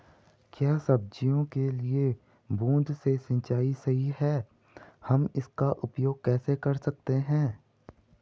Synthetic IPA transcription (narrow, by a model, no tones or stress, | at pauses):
kjaːsɐb̚d͡ʒijõkelie | bũːnd̪ʱsesɐ̃nt͡ʃaːisɐɦiɦɛː | hɐmɪskaʔʊpjoːɡ̚kɛːsekɐɾsɐk̚t̪eɦɛ̃ː